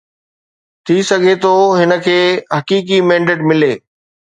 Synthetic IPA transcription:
t̪ʰisɐɡʱet̪ʰoːɦɪnəkʰeːɦɐkiːkimɛ̃ːɳɖeːʈmɪleː

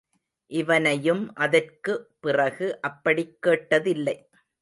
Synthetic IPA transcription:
ʔɪʋɐnɐjɯmʔɐðɐrkɯpːɪrɐɣɯʔɐpːɐɽɪkːeːʈːɐðɪlːɐɪ

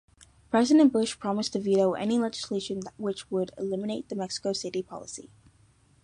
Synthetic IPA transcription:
pʰɹ̥ɛzɨɾɨ̃nb̥ʊʃpʰɹ̥ɑmɨstʰɨviɾoʊʔɛ̰nilɛd͡ʒɨ̥sleɪʃɨ̃nðʔwɪt͡ʃwəɾɪ̰lɪ̃mɨneɪt̪̚ðɨmɛksə̥koʊsɪɾipʰɑ̰lˠəsḭ

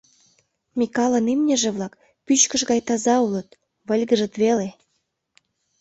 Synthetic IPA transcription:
mʲikɑlɤnimnʲeʒĕβlɑk | pyt͡ɕkə̆ʃɣɑjt̪ɑzɑulɤ̆t̪̚ | βə̆lʲɣə̆ʒə̆t̪βele

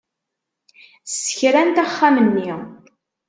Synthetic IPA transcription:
sə̥çɾænt̪æχːamənːi

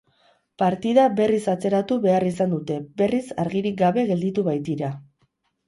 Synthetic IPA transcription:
paɾt̪iðaβe̞risat͡se̞ɾat̪uβe̞arisand̪ut̪e̞be̞risaɾɣiɾik̚ɡaβe̞ɣe̞ld̪it̪uβajt̪iɾa

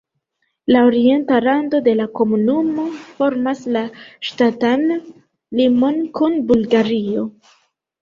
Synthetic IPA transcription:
lao̞ɾie̞ntalando̞de̞lako̞munumo̞fo̞ɾmaslaʃtatan | limo̞nkunbulɡaɾio̞

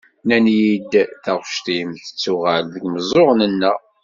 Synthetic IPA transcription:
nænjid̪θæʁʃt̪imθə̥t͡sːuʁælðəɡməzˤoʁnənːæ

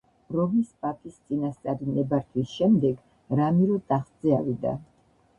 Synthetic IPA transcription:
ɾɔmispʼapʼist̪sʼinast̪sʼaɾinɛbaɾt̪ʰwisʃɛmd̪ɛɡ | ɾamiɾɔt̪ʼaχt̪z̥ɛavid̪a̰

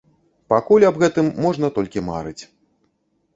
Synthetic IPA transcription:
pakulʲɐbɣɛt̪ɨmːɔʐnɐt̪ɔlʲkʲima̰ɾɨt͡sʲ

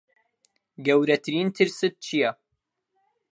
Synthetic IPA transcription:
ɡɛwɾɐt̪ʰɨɾiːnt̪ʰɨɾsɨt̪̚t͡ʃʰijɛ

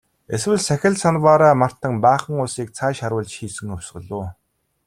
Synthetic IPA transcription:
eswɘ̆ɮsæxʲɪ̆ɮsanpaːɾaːmar̥t̪ə̆ŋpaːχə̆ŋʊɮsiːk̚t͡sʰaːʃaɾwʊːɮt͡ɕxiːsɘ̆ŋɵw̥ʲsɢɞ̆ɮʊː

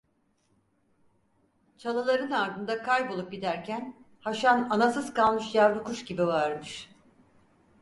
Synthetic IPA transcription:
t͡ʃʰalˠɯlˠaɾɯnaɾd̪ɯnd̪akʰajbo̞lˠup̚ɟid̪æɾcʰæn | haʃananasɯzkalˠmɯʃjaɾd̪ukuʃɟibivaɾmɯʃ

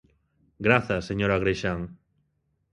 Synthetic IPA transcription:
ɡɾaθaseɲoɾaɣɾeʃaŋ

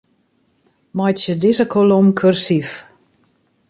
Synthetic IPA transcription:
majtsədɪzəkʰolomkʰørsif

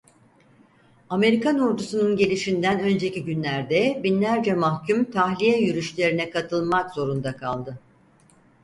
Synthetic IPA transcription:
ame̞ɾikanuɾd̪usununɟe̞lʲiʃind̪ænø̞nd͡ʒe̞ciɟynlʲæɾd̪ɛbinlʲæɾd͡ʒɛmahcʰymt̪ʰaxlʲijɛjyɾyʃlʲe̞ɾinɛkʰat̪ʰɯlˠmakzo̞ɾund̪akʰa̰lˠd̪ɯ

